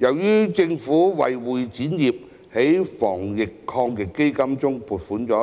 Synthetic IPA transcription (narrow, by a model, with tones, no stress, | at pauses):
jɐ˨˩wjyː˥t͡sɪ˧ŋfuː˨˥wɐ̰˨jwuː˨jt͡siː˨˥njiː˨˩p̚ | he˨˥jfɔ̰ː˨˩ŋjɪ˨kʰːɔː˧ŋkɪ˨˧kːe˥jkɐ˥mt͡sʊ˥ŋpʰuː˨˩t̚fuː˨˥nt͡sɔː˨˥